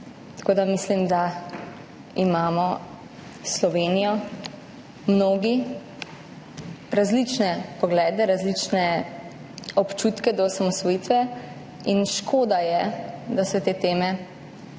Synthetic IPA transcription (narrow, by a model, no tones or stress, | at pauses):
t̪ḁkoːd̪amislimd̪a | imaːmɔ | slɔʋeːnijɔ | mnoːɡi | ɾazlit͡ʃnɛpɔɡlɛːd̪ɛɾazlit͡ʃnɛ | ɔpt͡ʃut̪kɛd̪ɔsamɔsʋɔjit̪ʋɛ | inʃkʰoːd̪ajɛd̪asɛt̪eːt̪eːmɛ